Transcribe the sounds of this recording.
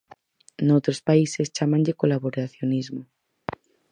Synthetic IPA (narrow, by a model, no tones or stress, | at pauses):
nowt̪ɾospaisest͡ʃamãɲʎekolaβoɾaθjonizmo